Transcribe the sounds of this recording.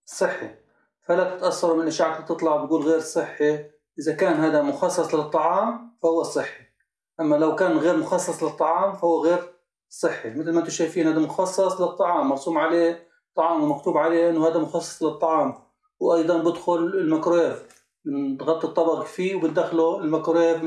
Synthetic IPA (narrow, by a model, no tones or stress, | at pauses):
sˤːɨħːḭ | falat̪ɪ̥t̪ʔasːɑɾˤumɪnɪlʔɪʃaːʕat̪lit̪ɨt̪ˤlɑʕbt̪̚ɡuːlɣeːɾsˤɨħːi | ʔɪzakaːnɦaːd̪amʊxɑsˤːɑsˤlɪɨt̪ˤːɑʕɑːmfahʊwːasˤːɨħːi̥ | ʔamːalawkaːnɣeːɾmʊxɑsˤːɑsˤlɪt̪ˤːɑʕɑːmfahʊwːaɣeːɾ | sˤːɨħːimɪt̪lmaʔnt̪ʊʃajfiːnhaːd̪amʊxɑsˤːɑsˤlɨt̪ˤːɑʕɑːmːɑɾˤsuːmʕaleː | t̪ˤːɑʕɑːmwɪmakt̪uːbʕaleːʔɪnːʊhaːd̪amʊxɑsˤːɑ̥sˤlɨt̪ˤːɑʕɑːm | wʔɑjd̪ˤɑnbɪd̪xʊlɪlmakɾoeːf | ɪnt̪ɣɑt̪ˤːit̪ˤːɑbɑɣfiːwbɪt̪d̪axluɪlmakɾeːf